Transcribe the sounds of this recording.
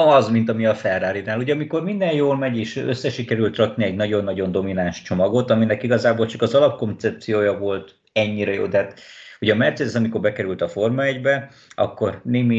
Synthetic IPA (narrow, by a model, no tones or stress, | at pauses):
ɒzmint̪ɒmiɒfɛrːaːɾinaːluɟɛɒmiko̞rmind̪ɛnjoːlmɛɟeːʃøsːɛʃikɛɾylt̪rɒkniɛɟnɒɟo̞nːɒɟo̞nd̪o̞minanʃt͡ʃo̞mɒɡo̞t̪ɒminɛkiɡɒzaːbolt͡ʃɒkɒzɒlɒp̚ko̞nt̪sɛp̚t̪sijoːjɒvo̞lt̪ | ɛɲːiɾɛjo̰ːd̪ɛɦaːt̪uɟɛːmɛrt̪seːd̪ɛsɒmiko̞rbɛkɛɾylt̪ɒfo̞rmɒɛɟbɛ | ʔɒ̰kːo̞rneːmi